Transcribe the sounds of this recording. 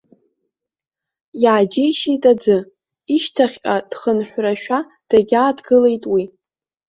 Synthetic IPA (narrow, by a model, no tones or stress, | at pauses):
jaːd͡ʒejʃejtʼad͡zʷɨ | iʃtʰaχʲkʲʼad̥χənħʷraʃᶣa | d̥aɡʲaːdɡɨle̞jtʼwi